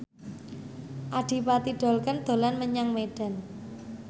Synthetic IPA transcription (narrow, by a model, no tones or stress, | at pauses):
ʔaɖ̥i̤pat̪iɖ̥ɔ̤lkənd̪̥o̤lanməɲaŋmeɖ̥a̤n